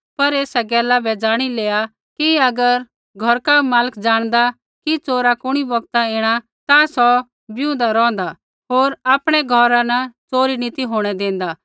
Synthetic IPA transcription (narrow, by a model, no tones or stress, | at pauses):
pɐɾeːsɛɡɛːlabɛd͡ʒaːɽ̃ileːa | kiɐɡəɾ | ɡʱɔɾkamaːləkʰd͡ʒaːɽ̃d̪a | kit͡soːɾakʊɽ̃ibɐɡt̪aeːɽ̃a | t̪asɔ | bɪʊ̃nd̪aɾɔ̃ːnd̪a | ɦoːɾaːpɽ̃ɛɡʱɔɾanɐt͡soːɾinit̪iɦoːɽ̃ɛd̪ẽːn̆d̪a